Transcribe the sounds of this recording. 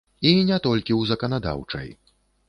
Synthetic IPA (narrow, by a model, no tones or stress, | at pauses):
inʲɛt̪ɔlʲkʲiwzɐkɐnad̪a̰wt͡ʂɐ̰j